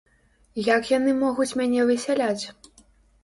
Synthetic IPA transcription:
jakjanɨmɔɣut͡sʲmʲanʲɛvɨsʲalʲat͡sʲ

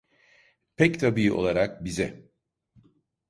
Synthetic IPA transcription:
pʰɛct̪ʰabiʔo̞̰lˠaɾak̚bizɛ

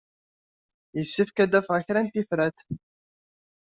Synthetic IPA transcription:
jəsːifkæd̪æfʁəçɾænt̪ifɾæt̪

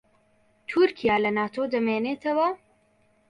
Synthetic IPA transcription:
t̪ʰuɾkʰijaːlɐnaːt̪ʰod̪ɐmeːneːt̪ʰɐwɐ

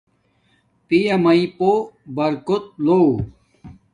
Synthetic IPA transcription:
pijɐmɐipobɐɾkot̪̚lo

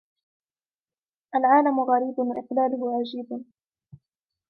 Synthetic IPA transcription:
ʔalʕaːlamʊɣaɾiːbɪʔɪqlaːlʊɦʊʕad͡ʒiːb

